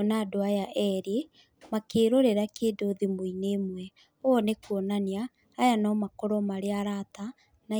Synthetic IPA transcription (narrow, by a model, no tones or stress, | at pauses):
naːdoajaʔɛɾe | makeːɾoɾeɾakeːdoðemoineːmwɛ | oɔnekuonaniaː | janɔmakoɾɔmaɾeaɾata | na